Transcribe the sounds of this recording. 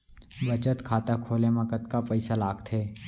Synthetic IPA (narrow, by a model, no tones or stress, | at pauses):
bət͡ʃət̪kʰaːt̪akʰoːlemãkət̪kapəɪsalaːɡt̪ʰeː